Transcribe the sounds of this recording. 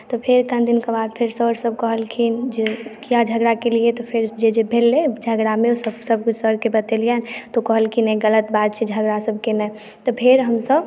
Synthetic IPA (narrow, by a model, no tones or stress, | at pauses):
t̪opʰɪɾkə̃nd̪ɪnkabaːd̪̚pʰɪɾsəɾsəb̚kəɦəlkʰind͡ʒekijad͡ʒʱəɡɾakeliet̪opʰɪɾd͡ʒed͡ʒebʱelːed͡ʒʱəɡɾamẽosəbsəb̚kʊt͡ʃʰsɔɾkebət̪elijant̪okəɦəlkinəiɡələt̪baːd̪̚t͡ʃʰed͡ʒʱəɡɾasəb̚kenəj | t̪opʰɪɾɦəmsəb